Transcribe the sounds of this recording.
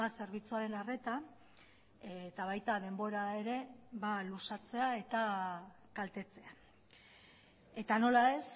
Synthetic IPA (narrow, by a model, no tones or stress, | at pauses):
ase̞ɾβ̞it͡suaɾe̞nare̞t̪a | et̪aβ̞ajt̪að̞e̞mbo̞ɾae̞ɾe̞βalusat͡se̞ae̞t̪a | kalt̪e̞t͡se̞a | e̞t̪ano̞lae̞s